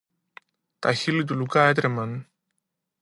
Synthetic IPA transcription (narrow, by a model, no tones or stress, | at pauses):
t̪açilit̪̬ulukaet̪ɾemɐn